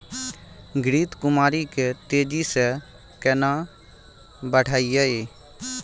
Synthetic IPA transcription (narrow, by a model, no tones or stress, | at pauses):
ɡɾiːt̪kʊmaːɾiket̪eːd͡ʒisɛ | kɛnã | bəʈʰaːijaeː